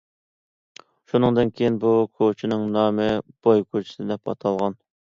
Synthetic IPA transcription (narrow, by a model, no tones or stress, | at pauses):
ʃunɨŋd̪ɨnkʲʰejinbukʰot͡ʃʰinɪŋnɑːmɪb̥ojkʰot͡ʃʰi̥sɪd̪ɛpɑ̰t̪ʰɑlˠʁɑn